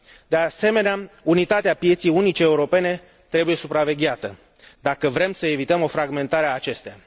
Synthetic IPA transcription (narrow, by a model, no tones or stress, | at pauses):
d̪e̞ase̞me̞neaunit̪at̪eapije̞t̪sijunit͡ʃe̞ːuɾo̞pe̞ne̞ | t̪ɾe̞buje̞supɾave̞ɡʲeat̪ə | d̪akəvɾe̞msəe̞vit̪əmo̞fɾaɡme̞nt̪aɾeaːt͡ʃe̞st̪ea